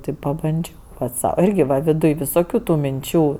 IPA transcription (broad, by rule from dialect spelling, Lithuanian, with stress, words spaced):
tʲɪ pɐbɐnʲˈd͡ʒʲɛʊ ˈpɐtʲ ˈsɐʊ ˈɪrʲɡʲɪ ʋɐ ʋʲɪˈdʊj ʋʲɪsoːˈkʲuː tʊ mʲɪnʲˈt͡ʃʲuː